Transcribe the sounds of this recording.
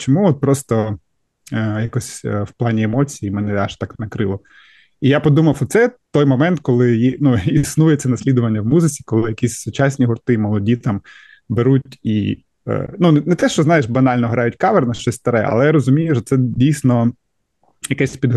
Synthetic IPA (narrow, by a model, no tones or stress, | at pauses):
t͡ʃɔmuɔt̪̚pɾɔst̪ɔ | jakɔsʲwplˠɑnʲiemɔt͡sʲijimɛnɛɑʃt̪ɑknɐkɾɪlˠɔ | ijapɔd̪umɐwɔt̪sɛt̪ɔjmɔmɛnt̪kɔlˠɪjinuisnujɛt͡s̪ʲːɐnɐsʲlʲid̪ʊʋɐnʲːɐwmuzɪt͡sʲi̥kɔlˠɪjɐkʲisʲsʊt͡ʃɑsʲnʲiɦʊrt̪ɪmɔlˠɔdʲit̪ɑm | beɾutʲḭ | nunnɛt̪ɛʃt͡ʃɔznɑjeʃbɐnɑlʲnɔɦɾʔɑjʊtʲkɑʋernɐʃt͡ʃɔsʲst̪ɐɾɛɐ̰lˠɛjɾɔzʊmʲijʊʃɔt̪sɛdʲijsʲnɔ | jɐkɛsʲpʲid̪ɦ